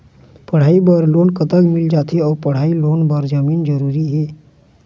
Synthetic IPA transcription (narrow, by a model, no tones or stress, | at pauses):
pəɽ̤aːibəɾloːnkət̪əɡmɪld͡ʒat̪ʰiɔːɾpəɽ̤ailoːnbəɾd͡ʒəmiːnd͡ʒəɾuɾiɦeː